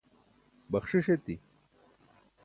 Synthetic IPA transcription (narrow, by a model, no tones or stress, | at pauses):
bɐxʂiʂet̪i